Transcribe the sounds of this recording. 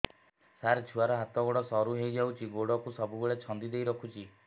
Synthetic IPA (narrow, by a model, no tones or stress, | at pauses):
saɾt͡ʃʰuaɾɔɦat̪ɔɡoɽɔsɔɾuɦejd͡ʒawt͡ʃʰiɡoɽɔkusɔbubeɭet͡ʃʰɔnd̪id̪ejɾɔkʰut͡ʃʰi